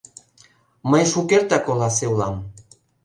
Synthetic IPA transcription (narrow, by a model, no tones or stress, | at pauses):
məjʃukeɾt̪akolasewlam